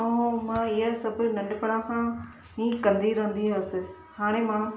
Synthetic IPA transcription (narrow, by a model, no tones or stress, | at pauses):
mãːɪɦasɐbʊnɐ̃ɳɖpɐɽãkʰã | ĩːkɐ̃nd̪iɾɐɦə̃nd̪iɐsɪ | haːɽ̃emãː